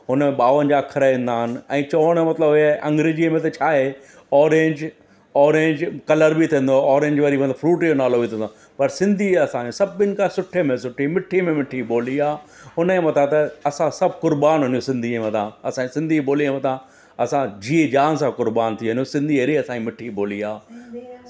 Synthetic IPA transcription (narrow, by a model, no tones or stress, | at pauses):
ɦʊnmẽɓaːʋən̆d͡ʑakʰɐɾaẽːnd̪aːɦɪnɪ̆ɛ̃ːt͡ɕɐːʋəɽ̃mɐt̪ləbaʔɐ̃ŋɡɾɪd͡ʑiəmẽt̪ɐt͡ɕʰaːɦe | ɔːɾẽːɲd͡ʑ | ɔːɾẽːɲd͡ʑkɐləɾbit̪ʰĩːnd̪oɔːɾẽːɲd͡ʑʋɐɾiʋɐ̃nd̪ofɾuːʈjonaːlobit̪ʰĩna | pɐɾsɪ̃nd̪ʱiɐsãːd͡ʑõsɐbɪnɪ̆kãsʊʈʰemẽsʊʈʰimɪʈʰimẽmɪʈʰiɓoːliaːɦʊnẽmɐt̪ʰat̪ɐɐsãsɐb̚ʱkʊɾbaːnɦʊnijosɪ̃nd̪ʱiemɐt̪ʰãɐsãd͡ʑisɪ̃nd̪ʱiboːlimɐt̪ʰã | ɐsãd͡ʑiːed͡ʑaːnsãkʊɾbaːnt̪ʰiɦʊ̃njõsɪ̃nd̪ʱieːɾiɐsãd͡ʑimɪʈʰiboːliaː